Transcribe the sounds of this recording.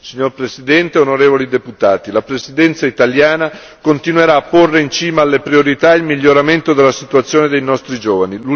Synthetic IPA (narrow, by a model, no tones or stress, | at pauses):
siɲːorpɾesid̪ɛnt̪eonoɾeːvolid̪eput̪aːt̪ilapɾesid̪ɛnt̪sait̪aljaːna | kont̪inweɾaːpːorːeint͡ʃiːmaːlːepɾioɾit̪ailmiʎːoɾament̪od̪elːasit̪uat̪sːjoːned̪ejnɔst̪ɾid͡ʒoːvanilu